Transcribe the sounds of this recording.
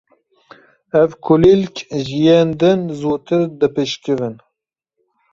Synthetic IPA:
ɛvkʰʊlilkʲʰʒijeːnd̪ɨnzoːt̪ʰɨɾd̪ɨpɨʃkɨvɨn

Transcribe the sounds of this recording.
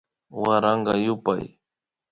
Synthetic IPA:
waɾɑɴɢɑjʊpa̰j

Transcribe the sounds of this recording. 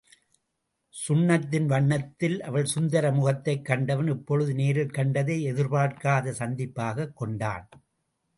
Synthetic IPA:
sʊɳːɐt̪ːɪnʋɐɳːɐt̪ːɪlʔɐʋɐɭsʊnd̪ɐɾɐmʊɣɐt̪ːɐɪkːɐɳɖɐʋɐnɛpːɔɻɯðɯneːɾɪlkɐɳɖɐðeːɛðɪɾbaːʈkaːðɐsɐnd̪ɪpːaːɣɐkːɔɳɖa̰ːn

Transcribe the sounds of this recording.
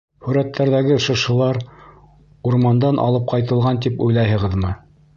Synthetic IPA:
hʉɾæt̪ʰːæɾðæɡɘʃɤ̆ʃɤ̆lˠɑɾ | uɾmɑnd̪ɑnʔɑ̰lˠɤp̚qɑjt̪ɤ̆lˠʁɑnt̪̬ipujlˠɑjɦɤ̆ʁɤðmɤ

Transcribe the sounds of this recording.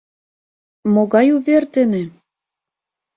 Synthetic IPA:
moɣɑjuβert̪ĕnĕ

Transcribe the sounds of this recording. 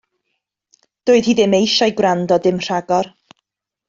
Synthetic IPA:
d̥ʊːɨð̥hiːðɪmejʃajɡwrandɔdɪmr̥aɡɔr

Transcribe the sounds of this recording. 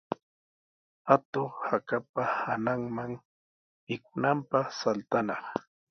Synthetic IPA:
at̪oχhakap̚ahanaŋmaŋ | ɪkʊnampɑχsalt̪anɑχ

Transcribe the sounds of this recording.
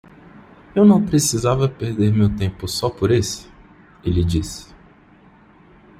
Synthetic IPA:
ewnɐ̃w̃pɾesizavɐpeɾd̪eɾmewt̪ẽmpʊsɔpoɾesɪ̥ | ɪlɪd͡ʒisɪ̥

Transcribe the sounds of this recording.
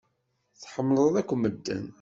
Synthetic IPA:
θħəmːləðˤækʷːməd̪ːə̰n

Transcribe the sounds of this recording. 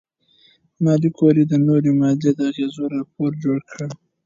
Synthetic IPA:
mɑlikʰoɾid̪ənoɾemɑd̪ed̪əaɣezoɾɑpoɾd͡ʒoɽkʰəɽ

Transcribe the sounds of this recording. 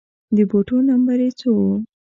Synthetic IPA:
d̪əboʈonambaɾet͡sowo

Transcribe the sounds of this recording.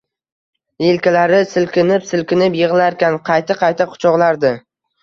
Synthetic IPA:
jelkʲalaɾɪsɪlkʲɪnɪpsɪlkʲɪnɪpjɪʁlaɾkʲanqʰɑjt̪ʰaqʰɑjt̪ʰaqʰʊ̥t͡ʃʰɒʁlˠaɾd̪ɪ

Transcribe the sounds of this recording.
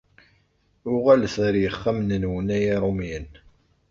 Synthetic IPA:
ʊʁælθɾjəχːæmnənwənæjiɾˤomjən

